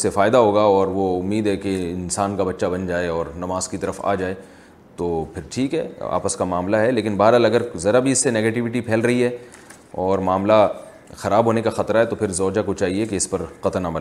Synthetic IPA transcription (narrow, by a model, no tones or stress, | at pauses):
sefaːɪd̪aɦoːɡaɔːɾʋoʊmːiːd̪ɦɛkeɪnsaːnkabɐtːʃabɐnd͡ʒaːeɔːɾnɐmaːzkit̪ɐɾəfa̰ːd͡ʒaːe | t̪oːpʰɪɾʈʰiːkɦɛa̰ːpəskamaːmlaɦɛleːkɪnbaːɾaːlɐɡəɾzɐɾabʱiɪsːeneːɡeːʈɪʋɪʈipʰɛːlɾɐɦiɦɛ | ɔːɾmaːmla | xɐɾaːbʱɦoːnekaxɐt̪ɾaɦɛt̪opʰɪɾzɔːd͡ʒakot͡ʃaːɦiekeɪspɐɾqɐt̪nabɐlː